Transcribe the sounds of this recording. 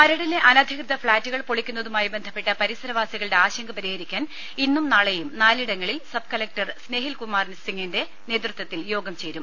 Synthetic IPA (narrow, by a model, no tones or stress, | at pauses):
mɐɾɐɽileʔɐnɐd̪ʱikrɨðɐfɭaːtːuɣɐɭpoɭikʲːunːɐðumaːjibe̞nd̪ʱɐpːe̞ʈːɐpɐɾisɐɾɐʋaːsjɐɣɐɭɽe̞aːɕɐŋɡɐpɐɾihɐɾikʲːaːn | inːumnaːɭejumnaːliɽɐŋːɐɭilsɐb̚kɐlɐk̚ʈɐrsne̞ːɦilkumːaːrnsiŋːinde̞ | ne̞ːt̪rɨt̪wɐt̪ːiljo̞ːɡɐmt͡ɕe̞ːɾum